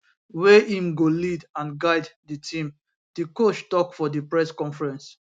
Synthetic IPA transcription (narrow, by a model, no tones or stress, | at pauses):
weʔĩmɡolidãnɡaɪddətʰĩm | dikot͡ʃtɔkfɔdəpɹɛskɔ̃nfɹɛ̃ns